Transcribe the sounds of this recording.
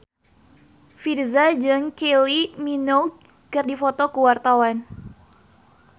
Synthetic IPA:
firzad͡ʒɨŋkelimino | kɨrdifɔt̪ɔkəwart̪awan

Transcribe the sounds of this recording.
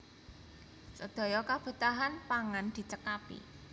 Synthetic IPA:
səd̪̥ɔ̤jɔkab̥ə̤t̪aɦanpaŋand̪̥i̤t͡ʃəkapḭ

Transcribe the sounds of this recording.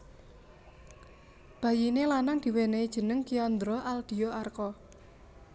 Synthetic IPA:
b̥a̤jinelanaŋd̪̥i̤weneid̥ʒ̥ə̤nəŋkiɔnd̪ɾɔʔald̪̥i̤ɔarkɔ

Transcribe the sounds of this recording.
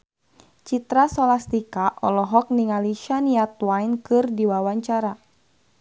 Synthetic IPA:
t͡ʃit̪ɾasɔlast̪ikaʔɔlɔɦɔk̚niŋaliʃaniat̪̚wajnkɨrdiwawaɲt͡ʃaɾa

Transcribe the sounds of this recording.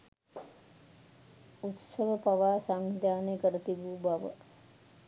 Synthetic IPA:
ut̪səʋəpaʋaːsaŋd̪ʱjaːnekəɾət̪ibuːbaʋə̰

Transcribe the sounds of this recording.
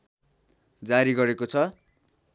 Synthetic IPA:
d͡zaɾiɡʌɾekot͡sʰʌ

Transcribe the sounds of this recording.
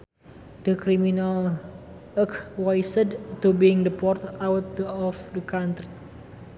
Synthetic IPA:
d̥əkɾiminal | əkwajsədt̪ubiŋdəpɔrt̪awt̪̚dəɔfdəkant̪ɾi

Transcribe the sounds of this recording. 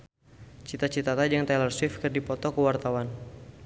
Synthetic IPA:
t͡ʃit̪at͡ʃit̪at̪ad͡ʒəŋt̪alərswɪfkɨrdipɔt̪ɔkəwart̪awan

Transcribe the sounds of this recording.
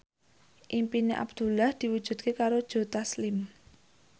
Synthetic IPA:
ʔimpineʔa̰bd̪̥ṳlahd̪̥i̤wud̥ʒ̥ṳd̪̚kʰekaɾod̥ʒ̥o̤t̪aslɪm

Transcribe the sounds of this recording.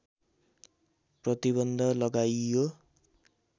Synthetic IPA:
prʌt̪iβʌnd̪ʱʌlʌɡajjo

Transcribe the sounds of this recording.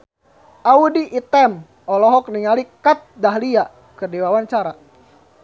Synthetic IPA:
ʔaudiʔːt̪ɛm | ɔlɔɦɔk̚niŋalikat̪̚daɦlia | kərdiwawaɲt͡ʃaɾa

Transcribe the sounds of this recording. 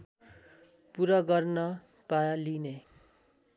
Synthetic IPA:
puɾʌɡʌrnʌ | paline

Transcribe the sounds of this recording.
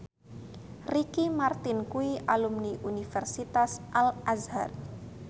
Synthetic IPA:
rikimart̪ɪnkuiʔalumniʔunifɛrsit̪asʔalazha̰r

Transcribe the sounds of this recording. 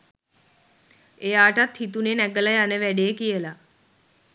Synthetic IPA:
ejaːʈat̪hit̪unenæɡələjanəʋæɖejəkijəla

